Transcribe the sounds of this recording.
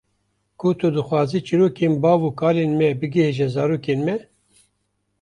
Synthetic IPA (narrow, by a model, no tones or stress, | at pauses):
kʰut̪ʰud̪ɨxʷwɑːziːt͡ʃiɾoːkeːnbɑːvuːkʰaːleːnmɛbɨɡeɦeʒɛzɑːɾuːkeːnmɛ